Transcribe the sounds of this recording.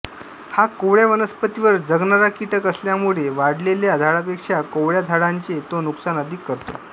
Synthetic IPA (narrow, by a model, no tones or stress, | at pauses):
hakoʋɭjaʋənəspət̪iʋəɾd͡zəɡnaɾakiʈəkəsljamuɭeʋaɽleljad̪ʱaɽapekʂakowɭjad̪ʱaɽaɲt͡ɕet̪onuksanəd̪ʱiːkːəɾt̪o̰